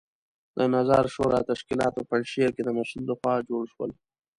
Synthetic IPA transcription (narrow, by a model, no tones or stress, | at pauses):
d̪ənazɑɾʃoɾɑt̪aʃkilɑt̪opaɳʃiaked̪əmasulləxwɑd͡ʒoɽʃwə̰l